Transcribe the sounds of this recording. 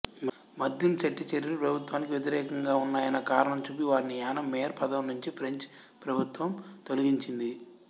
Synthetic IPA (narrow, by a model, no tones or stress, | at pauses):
mɐd̪jimt͡ʃɐʈːit͡ʃeɾinipɾɐbʱut̪ʋaːnik̬iʋjet̪̬iɾɛːkɐŋɡaːunːaːjɐnɐkaːɾɐɳɐmt͡ʃuːp̬iʋaːɾinijaːnɐmːeːɐɾpɐd̪ɐmnuɲt͡ʃipʰɾeɲt͡ʃ | pɾɐbʱut̪ʋɐmt̪o̞liɡiɲt͡ʃind̪i